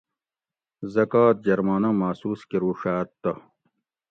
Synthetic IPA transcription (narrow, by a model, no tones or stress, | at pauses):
zɐkaːt̪̚d͡ʑɐɾmaːnɐmaːsuːskiɾuːʂaːt̪ːɐ